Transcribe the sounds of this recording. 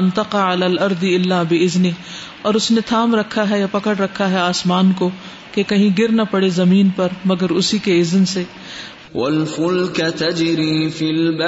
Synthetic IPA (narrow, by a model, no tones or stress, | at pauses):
nt̪ɐqaalaːlɐɾd̪ɪlːaːbɪɪzni | ɔːɾʊsnet̪ʰaːmɾɐkʰːaɦɛjapɐkəɽɾɐkʰːaɦɛaːsmaːnko | kekɐɦĩɡɪɾnapɐɽezɐmiːnpɐɾmɐɡəɾʊsikeɪznse | wɐlfʊlkt̪ɐd͡ʒɾiːfilb